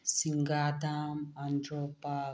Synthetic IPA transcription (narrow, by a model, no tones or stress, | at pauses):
siŋɡat̪amandɾopa